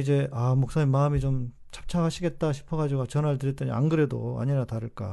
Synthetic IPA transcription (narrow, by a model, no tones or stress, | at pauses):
id͡ʑe̞ʔamok̚s͈aɲimaɯmit͡ɕom | t͡ɕḁp̚t͡ɕʰaɦaɕʰiɡe̞t̚t͈aɕʰi̥pʰʌɡad͡ʑiɡot͡ɕʌnaɭtɯɾjʌt͈ʌɲḭa̰nɡɯɾe̞do̰a̰ɲinataɾɯɭk͈a̰